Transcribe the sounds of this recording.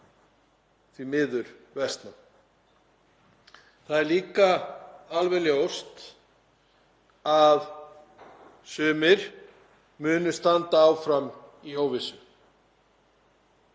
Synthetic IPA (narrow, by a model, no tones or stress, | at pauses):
θvimɪːðʏɾvɛst̪nam | θaðɛɾliːkaalvɛljowst̪ | að | sʏːmɪɾ̥ | mʏːnʏst̪ant̪aawfɾamioːwvɪsʏ